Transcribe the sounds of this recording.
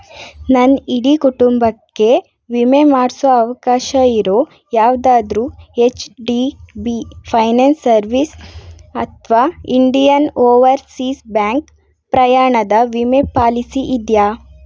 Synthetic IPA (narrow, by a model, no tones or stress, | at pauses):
nɐniɽikuʈumbɐkːe̞ | ʋimemaːɽsuɐɐʋɐkaːʃɐiɾoː | jaːʋd̪aːd̪ɾuːet͡ʃɖibipʰɐjneːnsːɐɾʋisɐt̪ʰʋaːiɳɖijɐnoːʋɐɾsiːsbjaːŋk | pɾɐjaːɳɐd̪ɐʋimepaːlisiʔid̪jaː